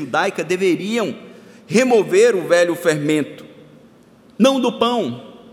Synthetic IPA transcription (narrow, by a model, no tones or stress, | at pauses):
ʒud̪ajkɐd̪eveɾiɐ̃w̃ | hemoveɾʊvɛʎʊfeɾmẽnt̪ʊ̥ | nɐ̃w̃d̪ʊpɐ̃w̃